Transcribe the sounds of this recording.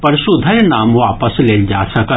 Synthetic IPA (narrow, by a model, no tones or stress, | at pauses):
pɐɾʃud̪ʱəjnaːmʋaːpəsleːd͡ʒaːsɐkə